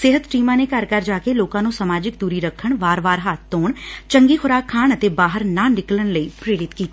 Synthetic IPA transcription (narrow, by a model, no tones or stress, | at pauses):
sɪɦət̪ʈiːmãːneːkəɾkəɾd͡ʒaːkeːloːkãːnũːsəmaːd͡ʒɪkd̪uːɾiːɾəkʰːəɳʋaːɾʋaːɾɦaːt̪ːoːɳt͡ʃəŋɡiːxʰʊɾaːkʰːaːɳ̃ət̪eːbaːɦəɾnãːnɪklənləiːpɾeːɽɪt̪kiːt̪iː